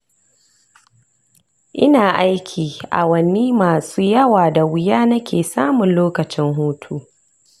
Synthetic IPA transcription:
ʔɪ˦naː˨ʔa˦jkʲʰiː˨ʔa̰˨wɐ˨niː˦maː˨suː˦jɐ˦waː˨da˨wɪ˦jaː˦nɐ˦kʲʰeː˨saː˦mʊ˨nloː˦kɐ˨t͡ʃɪ˦ŋɦuː˦tʰuː˦

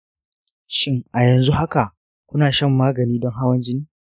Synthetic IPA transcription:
ʃɪ˦ŋʔa˨jɐ˨nzu˦ha˦ka˨ʔ | kʷʊ˦naː˨ʃɐ˦˨mːaː˦ɡɐ˨niː˦dɔ˦ŋɦa˦wɐ˦nd͡ʒɪ˦niː˦

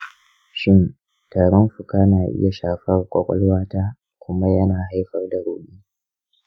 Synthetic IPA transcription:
ʃɪ˦n | taː˨ɾɔ˦nɸʊ˨kaː˦naː˨ʔɪ̰˦ja˨ʃaː˨ɸɐ˦rkʷʼɔ˦kʷʼɔ̰˦lwaː˦taː˦ | kʷʊ˦ma˦jɐ˦naː˨ɦa˦jɸɐ˦rda˨ɾoː˨ɗiː˦

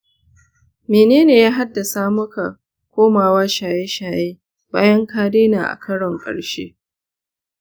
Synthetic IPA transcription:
meː˨neː˦neː˨jaː˦ɦa˦dːa˨sa˦mʊ˦ka˨ | kʷoː˦maː˨waː˦ʃaː˨jeː˦ʃaː˨jeː˦ | ba̰ː˦jɐ˦ŋkaː˦deː˦naː˨ʔa̰˨kʰɐ˦ɽɔ˨ŋkʼɐ̰˨ɽʃḛː˦

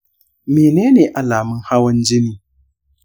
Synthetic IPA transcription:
meː˨neː˦neː˨ʔa˨laː˨mɪ˦ŋha˦wɐ˦nd͡ʒɪ˦niː˨

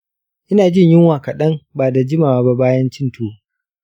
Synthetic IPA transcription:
ʔɪ˦naː˨d͡ʒɪ˦ɲjɪ˦ŋwaː˨ka˨ɗɐ˦ŋbaː˨da˨d͡ʒɪ˦maː˨wa˨ba˦baː˦jɐ˦nt͡ʃɪ˦ntʰuː˦

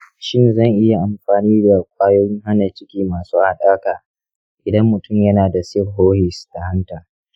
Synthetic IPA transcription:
ʃɪ˦nzɐ˦˨ŋʔɪ˦ja˨ʔa˨mɸaː˨niː˦da˨kʷʼaː˦joː˦jɪ˦ŋɦa˦na˨t͡ʃɪ˦kʲiː˦maː˨suː˦ha˦ɗaː˦kaː˨ | ʔɪ˨dɐ˦mːʊ˨tʊ˦˨mjɐ˦naː˨da˨sɪ˦rɦoː˦hɪ˨sta˨hɐ˦ntaː˨

